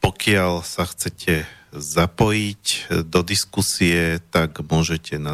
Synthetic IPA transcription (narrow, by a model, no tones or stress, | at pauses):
pɔkɪalsaxt͡sɛcʰɛzapɔjicd̪ɔd̪iskusiɛt̪aɡmʊɔʒɛcɛna